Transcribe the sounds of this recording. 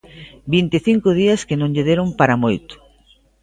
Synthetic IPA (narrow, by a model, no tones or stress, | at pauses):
bint̪eθiŋkʊð̞iɐskenõŋʎeðeɾʊmpaɾamojt̪ʊ̥